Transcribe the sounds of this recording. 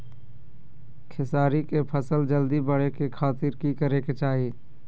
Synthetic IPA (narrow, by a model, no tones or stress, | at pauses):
kʰɪsaːɾikepʰəsəld͡ʒəld̪ibəɽ̤ekekʰaːt̪ɪɾkikəɾeket͡ʃaːɦieː